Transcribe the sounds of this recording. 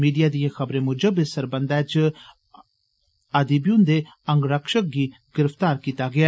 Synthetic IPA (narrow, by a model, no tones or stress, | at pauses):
miːɖijad̪ijẽxɐbɾẽmʊd͡ʒəbesɐɾbɐnd̪aːt͡ʃ | ɐd̪ibjũnd̪e | ɐŋɡɾɐkʃək̚ɡiɡɪɾəft̪aːɾkiːt̪aɡɐja